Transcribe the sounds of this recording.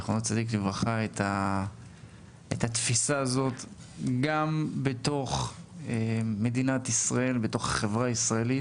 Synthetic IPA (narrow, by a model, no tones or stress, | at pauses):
χonot͡sad̪iklivʁaχaet̪ʰa | ḛt̪at̪fisaːzo̞t̪ | ɡambeto̞χeme̞dinat̪isʁae̞lbeto̞χaχevʁaisʁae̞lit